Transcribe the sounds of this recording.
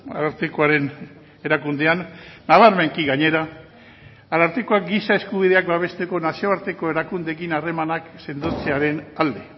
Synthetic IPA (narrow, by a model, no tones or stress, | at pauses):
a̰ɾaɾt̪ekoaɾe̞n | e̞ɾakund̪e̞anːaβaɾmeŋkiɣaɲe̞ɾaː | ɾaɾt̪eko̞ak̚ɡisae̞skuβið̞e̞akbaβ̞e̞st̪e̞ko̞nasio̞aɾt̪eko̞e̞ɾakund̪e̞kinare̞manakse̞nd̪ot͡seaɾe̞nald̪e̞